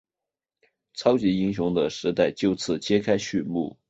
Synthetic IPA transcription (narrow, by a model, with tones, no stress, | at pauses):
t͡sʰɑ˥ʊt͡ɕi˧˥i˥ŋɕ̬jʊ˧˥ŋd̪ə˧ʂɻ̩˧˥t̪a˥˧ɪt͡ɕjo˥˧ʊt͡sʰɹ̩˥˩t͡ɕjɛ˥kʰa˥ɪɕy˥˧nmṵ˥˩